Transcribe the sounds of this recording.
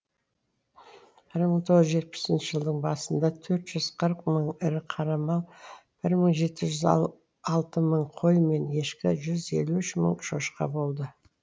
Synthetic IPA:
b̥ɪɾməɴt̪ʰo̞ʁəzʒe̞t̪̚pɪ̥sɪnʃɪʒəlˠd̪əɴbɑsənd̪ɑt̪ʰɵɾt̪ʒ̥ʏz̥qʰəɾqməɴɪɾɪqʰɑɾɑmɑlˠb̥ɪɾməɴʒe̞t̪ɪʒʏz | ɑlˠt̪əməɴqʰo̞jme̞ne̞ʃkʲɪʒʏze̞̰luɪʃmə̰ɴʃo̞ʃqɑ̰bo̞lˠd̪ə

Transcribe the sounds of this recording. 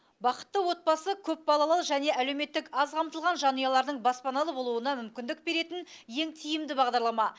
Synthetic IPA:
bɑqə̥t̪ːəwo̞t̪̚bɑsəkʲʰɵp̚bɑlˠɑlˠɑlˠʒæne̞ʔæle̞wme̞t̪ːɪkɑzqʰɑmt̪əlˠʁɑnʒɑnujɑlˠɑɾd̪əɴbɑspɑnɑlˠəbo̞lˠuənɑmʏmkʲɪnd̪ɪk̚be̞ɾe̞t̪ɪnje̞ŋt̪ʰijɪmd̪ɪbɑʁd̪ɑɾlˠɑmɑ

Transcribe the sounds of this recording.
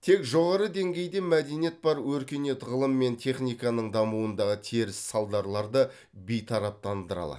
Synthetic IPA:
t̪ʰe̞kʒo̞ʁɑɾəd̪e̞ŋɡʲe̞jd̪e̞mæd̪e̞nije̞t̪̚bɑɾwɵɾkʲe̞ne̞t̪ʁəlˠəmːe̞nt̪ʲʰe̞χnijkɑnəɴd̪ɑmuənd̪ɑʁət̪ʰeɾɪssɑlˠd̪ɑɾlˠɑɾd̪ə | bijt̪ʰɑɾɑp̚t̪ɑnd̪əɾɑ̰lˠɑ̰

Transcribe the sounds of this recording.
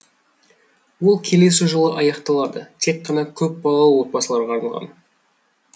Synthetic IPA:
wo̞lˠkʲʰe̞le̞sɪʒolˠəʔɑjɑqt̪ɑlˠɑd̪ət̪ʰe̞kqːɑnɑkʲʰɵp̚bɑlˠɑlˠəwo̞t̪̚bɑsəlˠɑɾʁɑːɾnɑlˠʁɑ̰n

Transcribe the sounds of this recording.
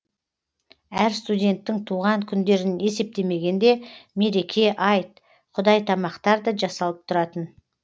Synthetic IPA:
æɾst̪udʲe̞nt̪ːɪŋt̪ʰuʁɑŋkʲʰʏnd̪e̞ɾɪne̞se̞p̚t̪e̞me̞ɡʲe̞nd̪e̞me̞ɾe̞kʲʰe̞ʔɑjt̪̚ | qʰʊd̪ɑjt̪ʰɑmɑqt̪ɑɾd̪əʒɑsɑlˠəp̚t̪ʰʊɾɑt̪ən

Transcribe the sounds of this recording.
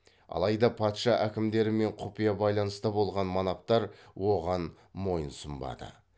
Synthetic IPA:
ɑ̰lˠɑjd̪ɑpʰɑt̪ʃɑʔækʲɪmd̪e̞ɾɪme̞ɴqʰʊpijɑbɑjlˠɑnəst̪əbo̞lˠʁɑnmɑnɑp̚t̪ɑɾwo̞ʁɑn | mo̞jənsʊmbɑ̰d̪ə̰

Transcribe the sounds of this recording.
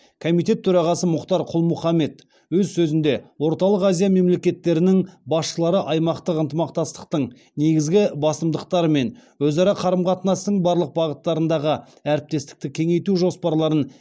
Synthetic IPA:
kʰomijt̪̬e̞t̪ʰːɵɾɑʁɑsəmʊqt̪ɑɾqʰʊlˠmʊχɑme̞t̪ | wɵzsɵzɪnd̪e̞wo̞ɾt̪ɑlˠəqazijame̞mle̞kʲe̞t̪ːe̞ɾɪnɪŋbɑsʃəlˠɑɾəʔɑjmɑqt̪əqənt̪əmɑqt̪ɑst̪ə̥qt̪əɴ | neɡʲɪzɡʲɪbɑsəmd̪əq̚t̪ɑɾəme̞nwɵzɑɾɑqʰɑɾəmqʰɑt̪nɑst̪əɴbɑɾlˠəq̚bɑʁət̪ːɑɾənd̪ɑʁə | æɾɪp̚t̪e̞st̪ɪ̥k̚t̪ɪkʲʰe̞ŋe̞jt̪uʒo̞spɑɾlˠɑɾən

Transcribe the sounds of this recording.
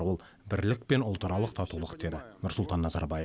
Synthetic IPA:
wolˠ | bɪɾlɪk̚pe̞nʊlˠt̪əɾɑlˠəqt̪ʰɑt̪ulˠəqd̪e̞d̪ɪnʊɾsʊlˠt̪ɑnːɑzɑ̰ɾbɑje

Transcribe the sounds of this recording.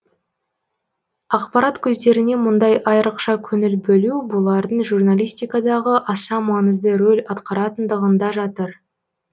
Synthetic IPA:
ɑqpɑɾɑt̪kʲʰɵzd̪e̞ɾɪne̞mʊnd̪ɑjʔɑjɾəqʃɑkʲʰɵnɪlbɵlubolˠɑɾd̪əɴʒurnalʲijst̪ijkɑd̪ɑʁəʔɑsɑmɑnəzd̪əɾolʲɑt̪qɑɾɑt̪ənd̪əʁənd̪ɑʒɑt̪əɾ

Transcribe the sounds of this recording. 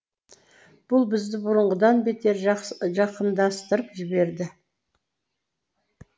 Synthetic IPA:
b̥ʊlˠbɪzd̪ɪbʊɾəɴʁəd̪ɑnbe̞t̪e̞ɾʒɑqənd̪ɑst̪əɾəpʒɪbe̞ɾd̪ɪ

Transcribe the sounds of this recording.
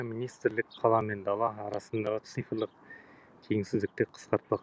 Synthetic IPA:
minijst̪ɾlɪk̚qʰːɑlˠɑme̞nd̪ɑlˠɑːɾɑsənd̪ɑʁət̪sɨjfɾlˠəq̚ | kʲʰe̞ŋsɪzd̪ɪk̚t̪e̞qʰə̥sqɑɾt̪̚pɑq

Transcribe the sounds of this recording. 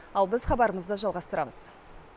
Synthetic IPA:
ɑlˠbɪzχɑbɑɾəməzd̪əʒɑlˠʁɑst̪əɾɑməz̥

